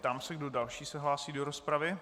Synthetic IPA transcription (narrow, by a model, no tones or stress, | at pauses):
t̪amsɛɡdo̞dalʃiːsɛɦlaːsiːdo̞ɾospɾavɪ